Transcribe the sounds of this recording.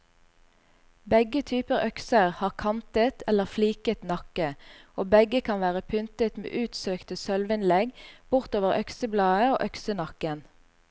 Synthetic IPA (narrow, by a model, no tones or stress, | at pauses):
bɛɡət̪ʰyːpəʁœksəʁhɑːʁkʰɑnt̪ət̪ʰɛləʁfliːkət̪nɑkəoːbɛɡəkʰɑnʋæːʁəpʰʏnt̪ət̪mḛːʔʉːt̪søːkt̪əsœlʋəɪnlɛɡb̥ʊʁt̪oːʋəʁʔœksəblɑːəo̰ːʔœksənɑkən